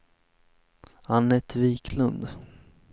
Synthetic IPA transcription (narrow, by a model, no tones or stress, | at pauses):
anːɛt̪ʰviːkʰlɵnd̪